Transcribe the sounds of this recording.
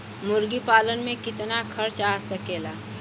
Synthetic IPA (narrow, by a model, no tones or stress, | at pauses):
mʊɾɡipaːlənmẽkɪt̪nakʰəɾt͡ʃasəkeːlaː